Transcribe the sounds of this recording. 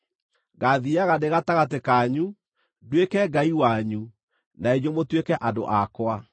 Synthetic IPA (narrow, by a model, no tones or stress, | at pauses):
ɡaðiaɣadeɣataɣatekaɲu | dwekɛɡaiwaɲu | naeɲomotwekɛʔado̰ʔakwa